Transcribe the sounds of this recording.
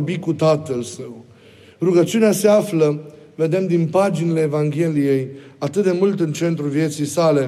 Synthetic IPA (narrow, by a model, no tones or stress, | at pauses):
bikut̪at̪əlsəw | ruɡət͡ʃiunease̞aflə | ve̞d̪e̞md̪inpad͡ʒinile̞ːvaŋɡʲe̞lije̞jat̪ɨt̪̚d̪e̞mult̪ɨnt͡ʃe̞nt̪ɾulvje̞t̪sijsale̞